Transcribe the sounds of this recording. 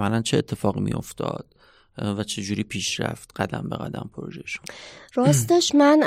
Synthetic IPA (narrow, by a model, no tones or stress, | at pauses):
mælænt͡ʃʰeːt̪ʰːe̞fɒːɣimḭjo̞̰ft̪ʰɒ̰ːd̪̥ | væt͡ʃʰe̞d͡ʒuːɾiːpʰiːʃɾæ̰ft̪ɢ̥æd̪æmbe̞ɣæ̰d̪æmpʰoɾoʒejeʃu̥nɾɒːst̪eʃmæn